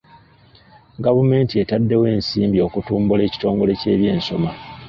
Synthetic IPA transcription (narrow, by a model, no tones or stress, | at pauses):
ɡavume̞ːntie̞tadːe̞we̞ːnsiːmbio̞kutuːmbule̞ːci̥to̞ːŋɡo̞le̞ce̞ːβje̞ːnso̞ma